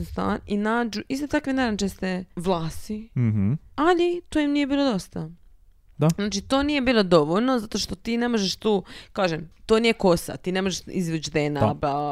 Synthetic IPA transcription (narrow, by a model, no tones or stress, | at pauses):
st̪a̰ːninaːd͡ʒuʔist̪ot̪akʋinaɾant͡ʃest̪eʋlˠaːst̪i | alit̪oːjimnije̞biːlˠod̪o̞st̪a | d̪aznaːt͡ʃit̪oːnije̞biːlo̞d̪o̞ʋolnozat̪o̞ʃt̪o̞t̪iːne̞mo̞ʒeʃt̪uːkaːʒemt̪oːnijeko̞sa̰t̪iːne̞moʒeʃizʋet͡ʃd̪enaba